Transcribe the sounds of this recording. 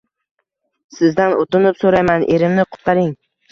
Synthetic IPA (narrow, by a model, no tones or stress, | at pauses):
sɪzd̪anot̪ɪnɪpsoɾajmanʔe̞ɾɪmnɪqʰʊ̥t̪̚ɑɾɪŋ